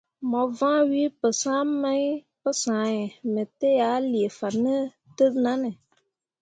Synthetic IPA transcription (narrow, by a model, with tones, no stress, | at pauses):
mɔ˨vãː˦wi˦pɨ˨sãː˦ma˦ | pɨ˦sãː˨˦jɛ˨mə˨te˦ja˨˦li˨e˨fa˨nːə˦ | tɨ˦na˦nɨ˨